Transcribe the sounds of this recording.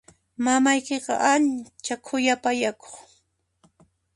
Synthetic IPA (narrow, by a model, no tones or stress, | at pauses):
mamajkeqɑ̰ʔant͡ʃakʰʊjapajako̥χ